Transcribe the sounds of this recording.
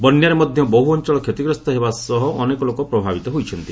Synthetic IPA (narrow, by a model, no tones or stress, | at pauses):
bɔnjaɾemɔd̪ʱjɔbɔɦuɔnt͡ʃɔɭɔkʰet̪iɡɾɔst̪ɔɦebasɔɦɔʔːnekɔlokɔpɾɔbʱabit̪ɔɦojt͡ʃʰɔnt̪i